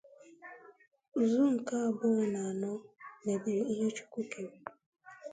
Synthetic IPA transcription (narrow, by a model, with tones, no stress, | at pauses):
zu˦ŋ̩˨ka˦a˨bʊ˦˨na˨a˨nɔ˦me˨bi˨ɾi˨i˦ɦe˦t͡ʃu̥˦kʷu˦ke˨